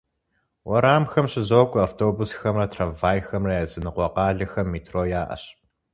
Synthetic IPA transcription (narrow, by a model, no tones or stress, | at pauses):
wʔɐɾaːmxɐmɕɪzoːkʷʼʊaftʰoːbusxɐmrɐtʰravaːjxɐmrɐjazɨnɨqʷɔqɑːɮɐxɐmːiːtʰroːjaːʔɐ̰ɕ